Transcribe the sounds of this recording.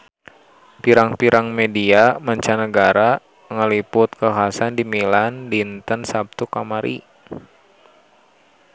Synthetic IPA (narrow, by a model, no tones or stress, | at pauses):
piɾaŋpiɾʔaŋmediamaɲt͡ʃanəɡaɾa | ŋəlipʊt̪̚kəkasandimilandint̪ənsap̚t̪ukamaɾʔḭ